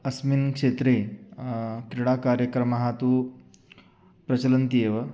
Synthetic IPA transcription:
ɐsminkʂet̪ɾe | t̪ɾiɽakaɾjəkɾɐmaɦat̪uː | pɾɐt͡ɕɐlənt̪ijeʋə

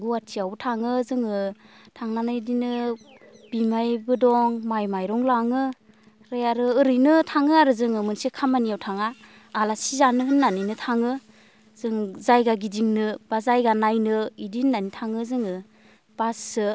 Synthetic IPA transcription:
ɡuwatʰiawtʰaŋɯzɯŋɯtʰaŋnanɯidinɯ | b̥imajbɯdɔŋmajmajɾɔŋlaŋɯ | ɾajaɾɯɯɾɯjnɯtʰaŋɯaɾɯzɯŋɯmɯnsikʰamanijawtʰaŋaː | lasizanɯɦɯnːaninɯtʰaŋɯ | z̥ɯŋzajɡaɡidiŋnɯb̥azajɡanajnɯidihnːanitʰaŋɯzɯŋɯ | b̥asɯ

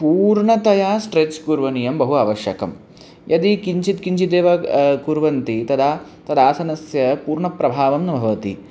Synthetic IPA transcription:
puːɾɳɐt̪ɐjaːsʈɾet͡ʃkuɾʋɐnijɐmbɐɦuaːʋɐʃjɐkɐ̰m | jʔɐd̪ikiɲt͡ʃit̪kiɲt͡ʃid̪eːʋɐkuɾʋɐnt̪it̪ɐd̪aː | t̪ɐd̪aːsɐnɐsjɐpuːɾɳɐpɾɐbʱaːʋɐmnɐbʱɐʋɐt̪ḭ

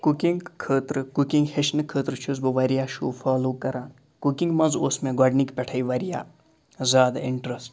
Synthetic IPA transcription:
kukiŋɡkʰːəːt̪ɾɨkukiŋɡheʃnɨkʰəːt̪ɾɨt͡ʃʰuzbɨʋɐɾijaːʃuːfʰaːloːkɐɾaːn | kukiŋɡmɐnzoːsmẽɡɔːɖnikpʲɛʈʰɐiʋɐɾija̰ː | zaːd̪iɳʈɾɐsʈ

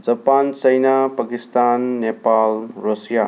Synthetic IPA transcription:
d͡ʒɐpant͡ʃəjnapakist̪anːepalɾɔsja

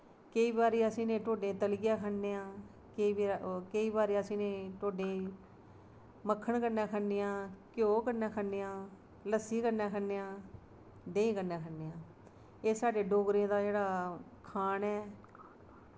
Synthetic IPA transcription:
kəiːbaːɾeːəsĩːnẽːʈoːɖẽːt̪əlɡɪjaːkʰənːeːãː | kiːikəiːbaːɾeːəsĩːnẽːʈoːɖẽː | məkʰːəɳkənãːkʰənːeːãːkjoːkəɾnaːkʰənːeːãː | ləsiːkəɾnaːkʰənːeːãː | d̪ẽːĩːkəɾnaːkʰənːeːãː | eːsaːɖeːɖoːɡɾẽːd̪aːd͡ʒeːɽaː | kʰaːnɛː

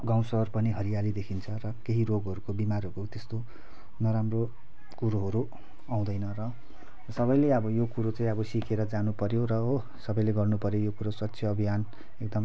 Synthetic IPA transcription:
ɡãw̃sʌrpʌniɦʌɾijalid̪ekʰint͡sʰʌrʌkeɦiroɡɦʌɾukobimarɦʌɾukot̪est̪o | nʌɾamro | kuɾoɦʌɾu | aw̃d̪ʌjnʌrʌ | sʌβʌjleʌbʌjokuɾot͡sʌĩʌbʌsikeɾʌd͡zanupʌɾjorʌo | sʌbʌjleɡʌrnupʌɾjojokuɾoswʌtːsʰjʌːbʱijan | ek̚d̪ʌm

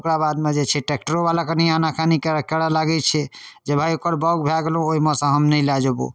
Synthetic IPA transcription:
kɾabad̪med͡ʒet͡ʃʰɛʈek̚ʈəɾobalakenianakʰanikkɛɽalaɡɛt͡ʃʰɛd͡ʒebʱajokəɾbɔɡbʱeaɡelũoimɔsə̃ɦəmnəlad͡ʒobṵ

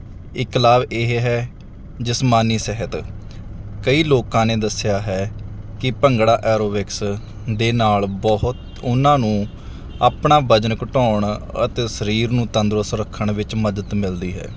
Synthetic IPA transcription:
ɪklaːbeːɦɦɛː | d͡ʒɪsmaːniːsɛɦət̪ | kəiːloːkãːneːd̪əsːjaːɦɛːkɪpəŋɡɽaːʔɛːɾoːʋɪks | d̪eːnaːlbɔɦʊt̪ | ʊnãːnũː | aːpɳaːbəd͡ʒnəkʈɔːɳət̪eːsəɾiːɾnũːt̪ə̃nd̪ɾəsɾəkʰːəɳʋɪt͡ʃməd̪ət̪mɪld̪iːɦɛ̰ː

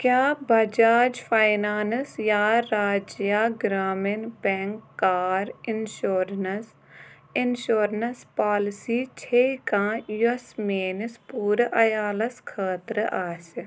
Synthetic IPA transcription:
kjaːbɐd͡ʒaːd͡ʒfʰaːɪnaːnsjaːɾaːd͡ʒjaːɡɾaːmɪnbɛ̃ːŋkːaːɾɪnʃoːɾnəs | ɪnʃoːɾnɐspaːlɪsiːt͡ʃʰeːikãːjusmeːnɪspuːɾʔɐjaːlɐskʰaːt̪ɾʔaːs

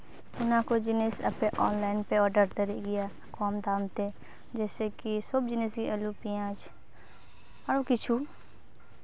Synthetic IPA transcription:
ʊnãːkod͡ʒɪneːsə̰pẽːʔɔːnlaːɪnpeːɔːɖəɾd̪əɾeːɡɪjaː | kɔːmd̪aːmt̪eː | d͡ʒɛːseːkisʊbd͡ʒɪneːsɡiʔəluːpijãːt͡ʃ | aɽoːkɪt͡ʃʰuː

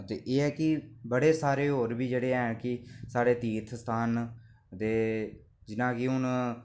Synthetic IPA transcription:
t̪eːʔeːɛːkɪbəɽeːsaːɾeːɦoːɾbiːd͡ʒeːɽeːɛːkɪsaːɽeːt̪iːt̪ʰst̪ʰaːn | t̪eː | d͡ʒɪnãːkɪʊn

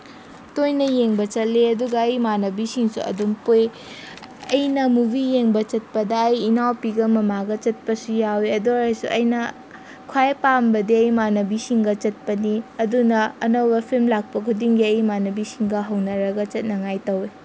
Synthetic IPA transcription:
tojnɐjeŋbɐt͡ʃɐt̚leɐduɡɐːjmanɐbisiŋsṵɐ̰dumpoj | ɐjnɐmubijeŋbɐt͡ʃɐt̚pɐdɐːjinawpiɡɐmɐmaɡɐt͡ʃɐt̚pɐsujaweɐdoɾɐjsṵʔɐjnɐ | kʰwajpambɐdiɐjmanɐbisiŋɡɐt͡ʃɐt̚pɐniɐdunɐːnɐwbɐpʰilmlak̚pɐkʰudiŋɡiɐjmanɐbisiŋɡɐɦɐwnɐɾɐɡɐt͡ʃɐt̚nɐŋajtɐwe

